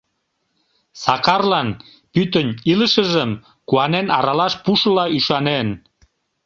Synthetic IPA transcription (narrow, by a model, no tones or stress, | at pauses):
sɑkɑrlɑn | pyt̪ənʲiləʃəʒəm | kuɑnenɑ̰ɾɑlɑʃpuʃəlɑyʃɑnen